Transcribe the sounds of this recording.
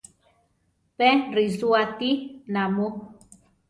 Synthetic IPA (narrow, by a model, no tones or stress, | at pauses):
pɛ̃ɾizuatinãmo